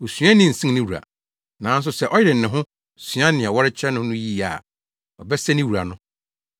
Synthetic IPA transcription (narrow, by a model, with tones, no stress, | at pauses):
o˨sɥã˦nɪ̃˦˨n̩˨sĩ˦ŋ˦nɪ̃˦wu˨a̰˨ | nã˨˦n̩˦s̬ʊ˨sɛ˦ʔɔ˦jɪ˦ɾɪ˨n̩˨nɪ̃˨ɦʊ̃˦ | sɥã˦nɪ̃˨ɛ˨wɔ˦ɾɪ˦t͡ɕʰɛ˦nʊ̃˦nʊ̃˦ji˦˨a̰˨ | ɔ˨bɛ˦sɛ˦nɪ̃˦wu˨ɾa̰˨nʊ̃˦